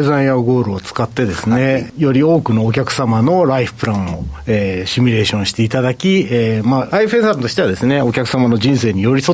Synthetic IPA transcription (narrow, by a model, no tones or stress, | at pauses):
ezãĩaɡo̞ːɾɯ̟ot͡sɨ̥kat̪ːe̞d̪e̞sɨne̞jo̞ɾʲio̞ːkɯ̟no̞ːk̬ʲakɯ̟̥samano̞ɾaiɸɯ̥pɯ̟ɾãɰ̃o̞eːɕimʲiɾe̞ːɕõ̞ɰ̃ɕi̥t̪e̞it̪ad̪akʲiemaɾaiɸẽsant̪o̞ɕi̥t̪e̞βad̪e̞sɨneo̞kʲakɯ̟̥samano̞d͡ʑĩɰ̃se̞ːɲ̟ijo̞ɾʲiso